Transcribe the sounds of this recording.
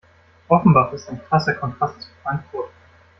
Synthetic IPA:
ʔɔfn̩baːʁɪstaɪnkʁ̥asɐkʰɔntʁ̥astsfʁ̥antv̥uɐ

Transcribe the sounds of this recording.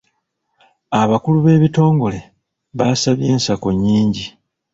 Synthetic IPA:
aβakuluβe̞ːβito̞ːŋɡo̞le̞ | βasaβje̞ːnsako̞ɲːiːɲɟi

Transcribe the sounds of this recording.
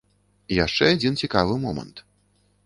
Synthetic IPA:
ijaʂt͡ʂɛad͡zʲint͡sʲikavɨmɔmɐ̰nt̪

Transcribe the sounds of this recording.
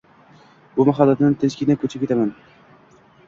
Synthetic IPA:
bʊmaɦalːat̪ɪnɪt̪ʰɪnt͡ʃkʲɪnakʰɵt͡ʃʰɪp̚kʲet̪aman

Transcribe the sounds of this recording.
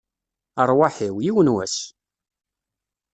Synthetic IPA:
əɾˤwaħiwjiwənwæs

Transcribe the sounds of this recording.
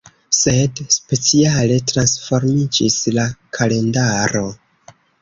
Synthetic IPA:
se̞dspe̞t͡siale̞tɾansfo̞ɾmid͡ʒislakʰale̞ndaɾo̞

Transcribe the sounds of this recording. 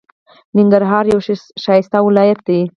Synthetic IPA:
nɪŋɡaɾɦɑːɾjawʃeʃɑjɪst̪awɪlɑjat̪̚d̪e

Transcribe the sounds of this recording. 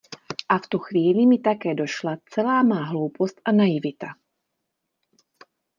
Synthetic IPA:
ʔaft̪uxʋiːlimit̪akɛːdɔʃlat͡sɛlaːmaːɦlɔʊpɔst̪anajivit̪a

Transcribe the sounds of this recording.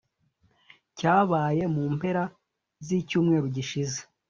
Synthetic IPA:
caːβaːje̞muːmpe̞ɾa | zicuːmŋe̞ːɾuɟiʃize̥

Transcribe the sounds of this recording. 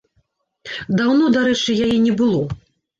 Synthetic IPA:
d̪awnɔd̪aɾɛt͡ʂɨjajɛnʲɛbɨlˠɔ

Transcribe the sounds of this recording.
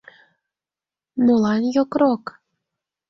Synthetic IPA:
nulˠɑnjokɾok

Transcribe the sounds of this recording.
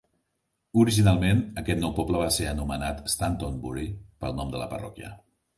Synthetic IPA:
uɾiʒinalˠmenəkɛt̪nɔwpɔpləβaseənumənat̪əst̪ant̪onbuɾipəlˠnɔmd̪ə̰ləpərɔ̰kiə̰

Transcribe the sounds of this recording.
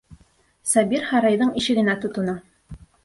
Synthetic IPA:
sɑbiɾhɑɾɑjðɤɴiʃɘ̆ɡɘ̆næt̪ŏt̪ŏnɤ

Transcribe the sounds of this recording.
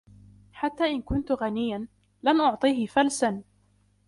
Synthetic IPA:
ħat̪ːaːʔɪnkʊnt̪ʊɣanɪjːan | lanʔʊʕt̪ˤiːhɪfalsan

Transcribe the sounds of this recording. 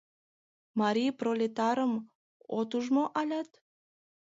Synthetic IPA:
mɑɾʲijprolʲet̪ɑɾəm | ot̪uʒmoʔɑlʲɑt̪

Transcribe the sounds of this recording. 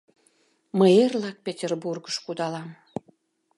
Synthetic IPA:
məjerlɑk̚pʲetʲerburɡəʃkud̪ɑlɑm

